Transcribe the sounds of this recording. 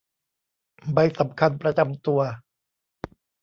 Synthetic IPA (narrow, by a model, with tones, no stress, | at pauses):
ba˧jsa˩˦mkʰa˧npɾa˧t͡ɕa˧mt̪u˧ɐ